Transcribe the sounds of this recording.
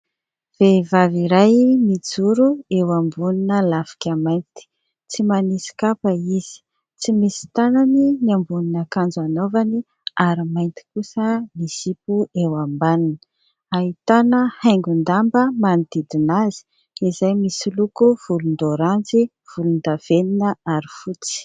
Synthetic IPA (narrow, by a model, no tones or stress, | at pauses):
v̥evaviɾajmid͡zuɾuewambuninəlafi̥kʲamajnt̪i̥ | t͡simanisi̥kapəiz̥i̥ | t͡simisi̥t̪ananiniambuninakand͡zanovani | aɾimajnt̪i̥kusənisipuewambaninə | ait̪anəhaŋɡund̪ambəmanid̪id̪inazi̥ | izajmisilukuv̥ulund̪oɾand͡zi | v̥ulund̪av̥eninəaɾifut͡si̥